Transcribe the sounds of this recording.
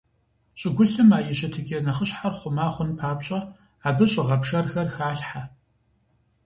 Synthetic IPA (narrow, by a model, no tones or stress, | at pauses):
ɕʼɪɡʷʊɬɨmaːjɪɕɪtʰɨɡʲʼinɐχəɕħarχʷʊmaːχʷʊnpʰaːpɕʼɐ | aːbɨɕʼɪʁɐpʂɐrxɐrxaːɬħa